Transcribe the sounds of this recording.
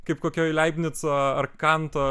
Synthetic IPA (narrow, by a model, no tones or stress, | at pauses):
kɐɪpkoːkʲoːlʲæɪbʲnʲɪt͡soːɐrkɑnt̪oː